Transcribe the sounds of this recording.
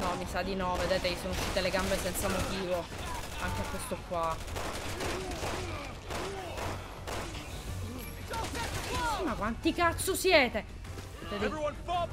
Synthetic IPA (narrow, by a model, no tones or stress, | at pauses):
nɔmisad̪inɔved̪eːt̪ejisoːnouʃːiːt̪eleɡambesɛnt̪samot̪iːvo | aŋk̟eakːwest̪okwa | simakwant̪ikat̪sːosjɛːt̪e | ved̪e